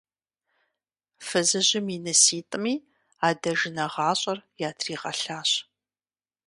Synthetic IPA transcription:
fɨzɨʑɪminɨsiːtʼɨmiː | aːdɐʒɪnɐʁɑːɕʼɐrjaːtʰriːʁɐ̰ɬaːɕ

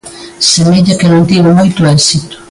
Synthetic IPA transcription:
semeʎakenõnt̪iβomojt̪ʊɛsit̪ʊ̥

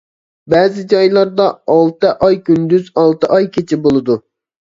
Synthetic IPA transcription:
bɛːzɪd͡ʒɑjlˠɑɾd̪ɑɑlˠt̪ɨʔɑjkʲynd̪yzɑlˠt̪ɨʔɑjkʲʰet͡ʃʰɪbolˠɨd̪u

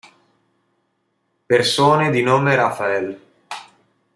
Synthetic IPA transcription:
persoːned̪inoːmeɾafaɛl

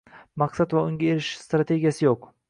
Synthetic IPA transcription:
mɑqsat̪vaʊŋɡʲaeɾɪʃɪ̥st̪ɾat̪ʰe̞ɡʲijasɪjoq

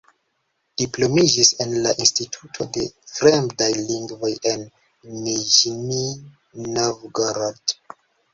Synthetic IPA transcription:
d̥iplomid͡ʒisẽnlaʔĩnstitʰutʰodefɾemdajlĩŋɡvojʔen | nid͡ʒni | novɡaɾad̥

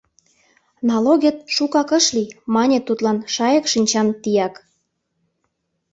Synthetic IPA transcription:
nɑloɣʲet̪̚ʃukɑkə̆ʃlimɑnʲet̪ːut̪lɑnʃɑjɤ̆kʃinʲt͡ɕɑnt̪ijɑk

